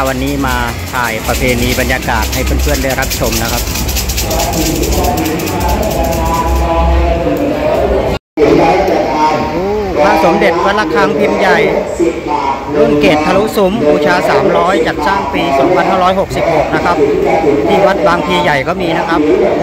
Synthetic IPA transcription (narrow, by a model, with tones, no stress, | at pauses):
a˥˩wa˧nːiː˦˥maː˧ | t̪ʰaː˨˩jpɾa˧pʰeː˧niː˧ba˧njaː˧kaː˨˩t̪̚ha˥˩jpʰɯː˥˩˨npʰɯ˥˩əndɯ˥˩˨jɾa˦˥p̚t͡ɕʰo˧mna˦˥kʰa˦˥p̚ | ʔuː˧˥˩pʰaː˧˥˩so˩˦mde˨˩t̪̚wa˦˥t̪̚la˦˥kʰaː˦˥ŋpʰi˧mja˨˩j | pʰɯ˥˩ənkeː˨˩t̪̚pʰːa˧lu˦˥su˩˦mbuː˧˩t͡ɕʰaː˧saː˩˦mɾɔː˦˥jt͡ɕa˨˩t̪̚saː˥˩ŋpiː˧sɔː˩˦ŋpʰa˧nɦaː˥˩ɾɔː˦˥jɦo˨˩k̚si˨˩p̚ho˨˩k̚na˦˥kʰa˦˥p̚t̪ʰiː˥˩wa˦˥t̪̚baː˧ŋp̪ʰiː˧ja˨˩jkɔː˥˩miː˧na˦˥kʰa˦˥p̚